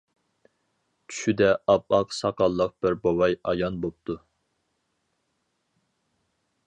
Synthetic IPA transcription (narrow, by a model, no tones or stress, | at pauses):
t͡ʃʰy̥ʃyd̪ɛʔɑpɑqsɑqɑlˠːəq̚b̥ɪɾbowɑjɑjɑnbop̚t̪ʰu